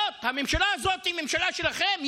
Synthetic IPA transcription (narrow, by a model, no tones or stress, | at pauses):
othamemʃalaːzo̞t̪imemʃalaʃelaχe̞mj